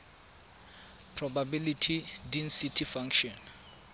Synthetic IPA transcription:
pʰrɔbabilitʰidinsitʰifãŋkʃɔn

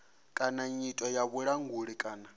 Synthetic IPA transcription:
kʼanaɲitʼɔjaβuɺaŋɡuɺikʼaːna

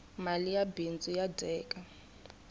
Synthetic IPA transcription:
malijabint͡sʼujadʱɛːkʼa

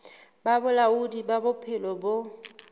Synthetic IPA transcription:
babʊlaudibabʊpʰɪlɔbo

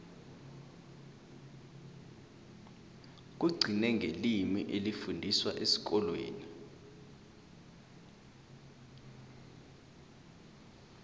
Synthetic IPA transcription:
k̬uɡ͡ǀʱinɛŋɡʱelimiʔelifundʱiswaʔesi̥k̬ɔlwḛːni

